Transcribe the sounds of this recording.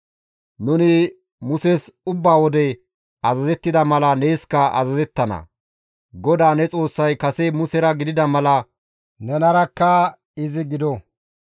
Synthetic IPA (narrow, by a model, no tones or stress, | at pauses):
nʊnɪ | mʊsesʊbːaːwɔd̪ɛ | ɐzɐzɛt̪ːɪd̪ɐmɐlɐnejskːɐɐ̰zɐzɛt̪ːɐnɐ̰ | ɡɔd̪aːnɛt͡sʼo̞ːsːɐjkɐsemʊsɛɾɐɡɪd̪ɪd̪ɐmɐlɐ | nɛnɐɾɐkːɐ | ɪzɪɡɪd̪ɔ